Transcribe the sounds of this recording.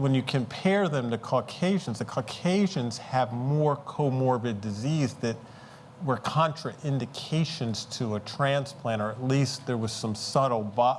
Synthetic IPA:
wə̃njɨkʰɨ̃mpʰɛɹðɨ̃mtɨkʰəkʰeɪʒ̃n̩zɨkʰəkʰeɪʒɨ̃nz̥ɨvmɔɹkʰoʊmɔɹbɨt̚dɨzizðɨt̚ | wə˞kʰɑ̃nt͡ʃɹ̥ɨʔɪ̃ndɨkʰeɪʃɨ̃nz̥tʰɨətʰɹ̥æ̃nspʰl̥æ̃ɾ̃ə˞ɨtˡlist̪̚ðə˞wʌz̥sʌ̃msʌɾl̩ˠbɑ

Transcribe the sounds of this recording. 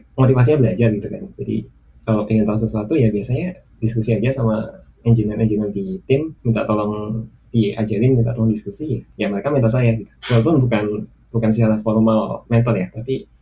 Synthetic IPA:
mot̪ifas̬iɲabəlad͡ʒarɡit̪ukand͡ʒadḭ | kalopiŋɪnt̪auŋs̬əsuat̪ujabiasaɲa | diskusiad͡ʒasama | ɛnd͡ʒinəɛɲd͡ʒinard̪it̪ɪmmint̪a̰ʔt̪olɔŋ | dia̰d͡ʒaɾɪnmint̪a̰ʔt̪ɔlɔŋdiskusijajaməɾekamɛnt̪alsajaɡit̪u̥səalpʊnbukan | bukansit͡ʃaɾahfolmalmɛnt̪aljaht̪api

